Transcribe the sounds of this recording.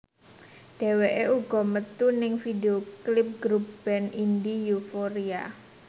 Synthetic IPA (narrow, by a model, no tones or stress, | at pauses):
d̥e̤weʔeuɡ̥ɔ̤mət̪unɪŋfideoklɪp̚ɡ̥ɾup̚b̥ɛnindijufoɾia̰